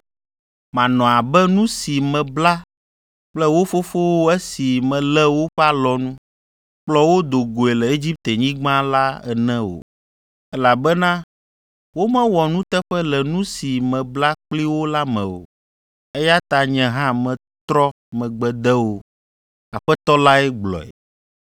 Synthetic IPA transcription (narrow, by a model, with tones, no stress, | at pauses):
mã˨nɔ̃˨a˨bɛ˦nũ˦si˨mɛ̃˨bla˦ | k͡plɛ˦wo˦fo˦fo˦wo˦ɛ˦si˨mɛ̃˨lɛ˦wo˦ɸɛ˦a˨lɔ˨nũ˦ | k͡plɔ˦wo˦d̪o˨ɡo˨e˨lɛ˨e˦d͡ʑi˦p̚t̪ɛ˨ɲĩ˦ɡ͡bã˦la˦ɛ̰˨nɛ̃˦wo̰˨ | ɛ˦la˨bɛ˦nã˦ | wo˦mɛ̃˦wɔ˨nũ˦t̪ɛ˦ɸɛ˦lɛ˨nũ˦si˨mɛ̃˨bla˦k͡pli˦wo˦la˦mɛ̰̃˨wo̰˨ | ɛ˦ja˦t̪a˨ɲɛ̃˨ɦã˦mɛ̃˨ | t̪ɾɔ˦ | mɛ̃˨ɡ͡bɛ˨d̪ɛ˦wo˦ | a˨ɸɛ˦t̪ɔ˦la˦ɛ˦ɡ͡blɔ̰˨ɛ̰˨